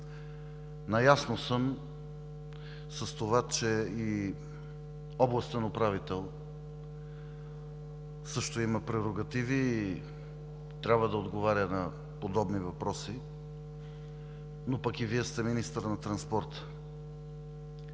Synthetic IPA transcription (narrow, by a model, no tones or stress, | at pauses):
nɐjasnosəm | sɐst̪ovat͡ʃɛi | ɔblˠɐst̪ənopɾavit̪ɛlˠ | sɤʃt̪oimɐpɾɛɾoɡɐt̪iviː | t̪ɾʲabvəd̪ɐod̪ɡovaɾʲənɐ | pod̪ɔbnivɐpɾɔsi | nopɐkiviɛst̪ɛminist̪əɾnɐt̪ɾɐnspɔɾt̪ə̥